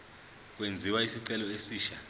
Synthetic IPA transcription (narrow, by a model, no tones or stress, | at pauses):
k̬wend͡zʱiwaisiǀɛlɔesiːʃa